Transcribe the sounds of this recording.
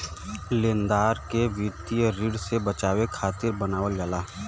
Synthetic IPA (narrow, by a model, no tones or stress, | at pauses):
lẽːnd̪aːɾkeʋit̪ijəɾiɖsebət͡ʃaːwekʰaːt̪ɪɾbənaːwəlɡəlaː